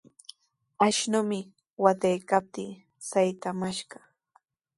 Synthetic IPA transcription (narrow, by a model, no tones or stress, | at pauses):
aʃnʊmɪ | wat̪ajkap̚t̪iː | sajt̪amaʃɢɑ